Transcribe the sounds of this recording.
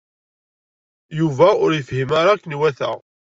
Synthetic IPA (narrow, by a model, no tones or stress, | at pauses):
juvæʊɾjəfhimaɾakːnwæθə̰ʁ